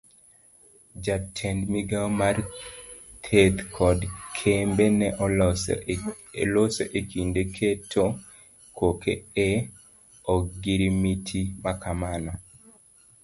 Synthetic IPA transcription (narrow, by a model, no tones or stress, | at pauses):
d͡ʒatʰɛndmiɡamar | t̪ʰet̪kʰɔdkʰembenɛʔɔ | loseʔekindekʰetʰo | kokʰeɛ | ɔɡiɾimitʰimakʰamana